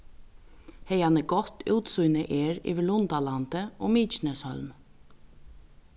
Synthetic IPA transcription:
hɛjanəɡɔt̪uːt̪sujnəʔeːɹḭːʋɪɭʊnt̪alant̪əɔ̰ːmiːt͡ʃnɛshœ̰lm

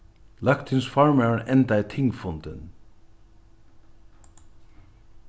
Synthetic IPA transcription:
lakt̪ʰɪnsfɔɹmɛʔɛnt̪ajt̪ʰɪŋkfʊnt̪ɪn

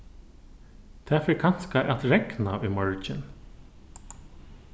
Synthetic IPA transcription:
t̪ʰæːfɪɾkʰan̥skaʔat̪ɹɛknaʔʏmɔɹt͡ʃɪn

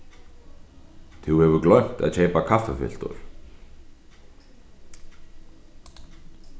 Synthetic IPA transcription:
θʰuwhɛvʏɾklœɥm̥t̪a̰ðcʰeːjpakʰafafɪ̰l̥t̪ɔʏ̰ɾ̥

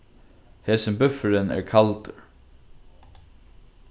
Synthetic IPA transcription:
hɛːsəmbʏfɾɪnɛ̰ɹkʰalt̪

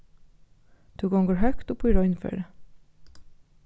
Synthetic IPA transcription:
t̪ʰuːɡɔŋɡəɹɦœkt̪opʰʊɾɔʏnfø̰ːɾə

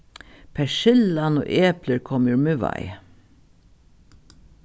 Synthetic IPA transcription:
pʰæʃɪlɑno̰ːʔeːpləɹkʰɔmʊɹmʉʋɑ̰ɪ

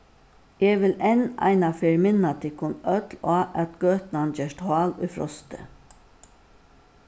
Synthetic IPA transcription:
ɛːʋɪlɛna̰ɪnafeːɹmɪnat̪ʰɪkʰʊnœt̪laːʔæt̪ɡ̥øːt̪nand͡ʒɛʂt̪haːlʊ̰jfɾɔ̰st̪ə̰

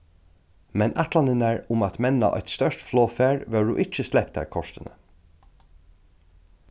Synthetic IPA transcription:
mɛnʔat̪lanɪnæɹʊmat̪mɛna̰ʔɔ̰ʏt̪st̪œʂt̪floːfæːɹʋɛːɹṵʔɪt͡ʃəslɛp̚t̪æ̰ɹkʰɔʂt̪ɪnə

